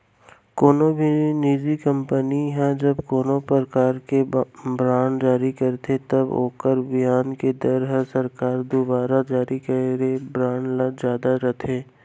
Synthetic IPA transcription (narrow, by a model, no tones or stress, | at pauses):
koːnobʱinid͡ʒikə̃mpəniɦɛ̃d͡ʒɐbkoːnopəɾkaːɾkebɾãːɳd͡ʒaːɾikɐɾt̪ʰet̪ɐbo̰ːkəɾbɪjaːnked̪əɾɦəsɐɾkaːɾd̪obaːɾad͡ʒaːɾikəeɾebɾãːɳlad͡ʒjaːd̪aɾɐt̪ʰẽː